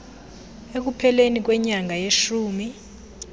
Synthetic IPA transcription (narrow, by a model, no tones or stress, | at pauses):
ek̬upʰɛlenik̬wɛɲaŋajeʃuːmi